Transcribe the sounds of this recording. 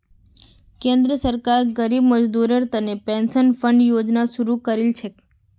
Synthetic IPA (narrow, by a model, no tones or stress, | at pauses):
kẽnd̪ɾiəsəɾkaɾɡəɾibməd͡ʒd̪uɾəɾt̪ənepensənfəɳɖjod͡ʒnaʃuɾukəɾelt͡ʃʰe